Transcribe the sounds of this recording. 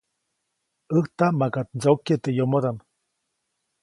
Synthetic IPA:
əht̪amakat̪̚d͡ʒaukːet̪ejomod̪an

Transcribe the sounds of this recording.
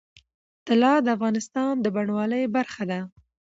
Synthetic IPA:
t̪ɪlɑd̪əafɣɑnɪst̪ɑnd̪əbaɳwɑləjbaɾxad̪a

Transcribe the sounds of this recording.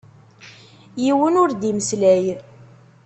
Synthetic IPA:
jiwənʊɾd̪iməslæj

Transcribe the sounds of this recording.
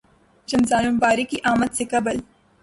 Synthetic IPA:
d͡ʒɐnzaːlumbaːɾikiʔaːmət̪sekɐbəl

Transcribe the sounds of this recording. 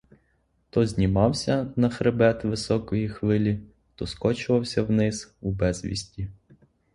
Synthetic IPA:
t̪ɔzʲnʲimɑwsʲɐnɐxɾebɛt̪ʋɪsɔkɔjixʋɪlʲi | t̪ɔskɔt͡ʃʊʋɐwsʲɐwnɪz̥ubɛz̥ʲʋʲḭsʲtʲi

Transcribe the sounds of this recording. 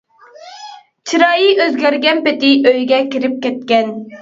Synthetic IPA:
t͡ʃʰiɾɑːjiʔøzɡʲæɾɡʲɛnpɪt̪ɪʔøjɡʲɛkʲiɾɪp̚kʲɛt̪̚kʲɛn

